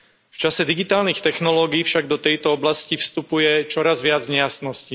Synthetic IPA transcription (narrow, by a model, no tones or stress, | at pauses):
ft͡ʃasɛd̪iɡit̪aːlnixt̪ɛxnɔlɔːɡiːfʃaɡd̪ɔt̪ɛjt̪ɔɔblascifst̪upujɛt͡ʃɔɾazʋɪad͡zɲɛjasnɔsci